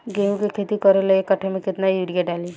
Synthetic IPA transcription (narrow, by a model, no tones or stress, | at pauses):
ɡeːmkekʰeːt̪ikəɾeleekɐʈʰemẽkɪt̪najuɽijaɖaːli